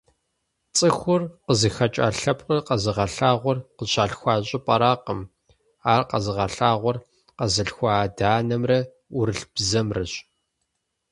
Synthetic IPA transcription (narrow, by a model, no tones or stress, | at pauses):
t͡sʼɨxʷʊrqəzɨxɐt͡ʃʼa̰ːɬɐp̚ʼqərqɐzɨʁɐɬaːʁʷɔrqəɕaːɬxʷɑːɕʼɪpʼɐɾaːqəm | aːrqɐ̰zɨʁɐɬaːʁʷɔr | qɐzɨɬxʷaːdaːnɐmrɐ | ʊɾɨɬb̥zɐmrɨɕʼ